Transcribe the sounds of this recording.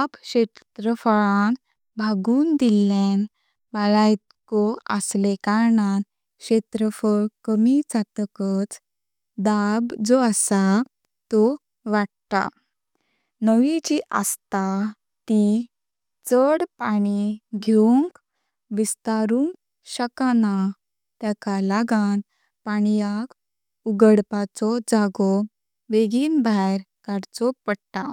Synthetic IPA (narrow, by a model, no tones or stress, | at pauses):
abɕet̪t̪ɾəfəɭãn | bʱaɡuːnd̪ilen | balajt̪kɔə̰slekaɾɳãn | ɕet̪ɾəfəɭkəmit͡sat̪kət͡s | d̪abd͡zɔasa | t̪ɔ | ʋaɽt̪a̰ | nəʋit͡ɕiʔa̰st̪a | t̪i | t͡səɽpaɽ̃iɡʱeuŋk | ʋist̪aɾuŋk̚ | ɕəkana | t̪jakalaɡan | paɳjak | uɡəɽpat͡sɔd͡zaɡɔ | ʋeɡiːnbʱaɾ | kaɽt͡sɔpəɽt̪a